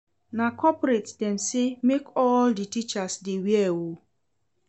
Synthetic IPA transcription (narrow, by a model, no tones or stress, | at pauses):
nakɔpɾetdɛnsɪmekɔlditit͡ʃasdewjɛwo